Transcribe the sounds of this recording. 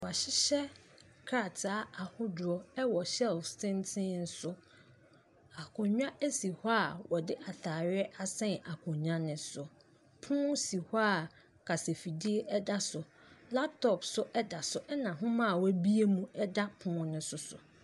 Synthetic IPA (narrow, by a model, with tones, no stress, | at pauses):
wɔ˨a˨ɕɪ˦ɕɛ˦ | kʰɾa˦˨tʰa˦a˨hʊ˦dʊ˨ɔ˦ɛ˦wɔ˨ɕɛ˦lfsɪ̃˦ntʰɪ̃˦n̩˦sʊ˦ | a˨kʰʊ̃˨ɲᶣã˦ʔæ˦si˨ha˦˨wɔ˨dɪ˦ʔa˨θaː˨ɾɪ˦ɛ˦ʔa˦sɛ̃˦na˨kʰʊ̃˨ɲᶣ˦ã˦nɪ̃˦sʊ˨ | pʰʊ̃˦si˨ha˦˨ | kʰa˨se˨fi˨di˦e˦ʔɛ˦da˦sʊ˨ | la˦p̚tʰɔ˨psʊ˦ʔɛ˦da˨sʊ˨ʔɛ˦nã˨ɦʊ̃˦mã˦˨wbi˦e˦mũ˦ɛ˦da˦pʰʊ̃ː˦nʊ̃˦sʊ˨sʊ̰˨